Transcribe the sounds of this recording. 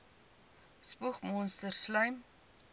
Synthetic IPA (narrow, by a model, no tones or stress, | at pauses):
spuχmɔnstərslœjm